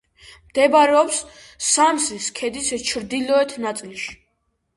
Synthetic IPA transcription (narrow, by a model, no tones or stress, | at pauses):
md̪̥ɛbaɾɛɔps | samsiskʰɛd̪ist͡ʃʰɾd̪ilɔɛt̪ʰnat̪sʼilʃi̥